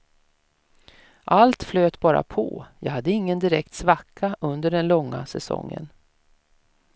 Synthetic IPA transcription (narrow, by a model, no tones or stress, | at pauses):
ʔalt̪fløːt̪bɑːɾa̰pʰɔjɑːhad̪ːəɪŋːənd̪ɪɾɛkt̪svakʰːaʔɵnd̪əɖɛnlɔŋːa̰sɛsɔ̰ŋːə̰n